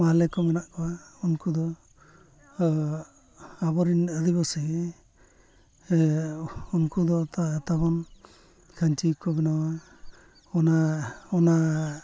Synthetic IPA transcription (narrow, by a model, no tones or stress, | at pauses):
malɛkɔmanaʔkɔwaunkud̪ɔ | abɔɾinəd̪ibɔsɛɡɛ | unkud̪ɔt̪at̪abɔn | kʰaɲt͡ʃikɔbɛnawa | ɔnaɔna